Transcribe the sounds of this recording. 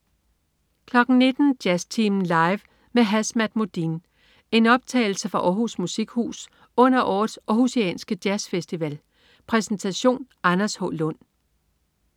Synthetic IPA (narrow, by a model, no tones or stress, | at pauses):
kʰlɒ̽ɡ̥n̩ne̝d̥n̩d̥jæst͡sʰiːmn̩lɑ̈ɪʋ | meɦæsmæd̥̚mod̥in | e̝nɒ̽b̥̚t͡sʰɛ̰ɪl̩səfʁɑ̈ʔɒːɦusmusiɡ̥hṵːs | ɔ̽n̰ɐʔɒ̰ːð̩ˠsɒhuseɛ̰ːnsɡ̥əd̥jæsfesd̥iʋɛl | pʰʁɛsn̩t͡sʰæɕo̝̰ːn | ɑnɐshɔ̰̽lɔn̰